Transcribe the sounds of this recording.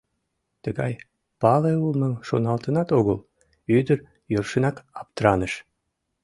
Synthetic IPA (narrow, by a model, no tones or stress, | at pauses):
t̪əɣɑj | pɑleulˠməŋʃonɑlt̪ənɑt̪oɣəl | yd̪əɾ | jørʃənɑkɑp̚t̪əɾɑnəʃ